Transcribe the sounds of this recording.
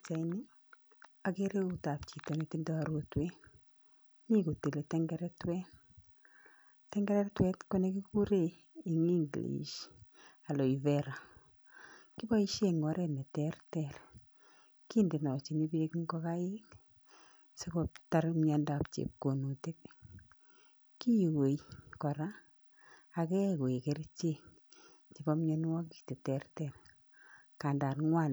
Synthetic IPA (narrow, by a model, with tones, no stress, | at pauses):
t͡ʃa˨ini˦ | akeɾe˦utap̚t͡ʃi˨tɔ˨neti˦ndɔaɾotwen | niku˨te˨letɛŋɡɛɾɛtwɛn | tɛŋɡɛɾɛtwɛ˦tkonekiku˦ɾe | i˨ŋi˦ŋɡlḭʃ | a˨lo˨ivɛɾa˨ | ki˦ba˦iʃeŋɔɾenɛ˨tɛrtɛɾ | ki˦nde˨nɔ˨t͡ʃi˨ni˦bee˦kŋɡɔ˦ka˦i˦n | sekopta˦ɾmɲa˧nda˨p̚t͡ʃḛ˨p̚ko˨nu˨te˦k̚ | ki˦jwe˨jkɔ˨ɾaː˦˨ | kɛ˦ko˨e˨ke˦ɾt͡ʃe˦ | ki˨bɔ˦mɲɔ˧n˦wa˦ki̥˨te˨tɛ˦rtɛr | ka˨nda˨ɾŋwa˦n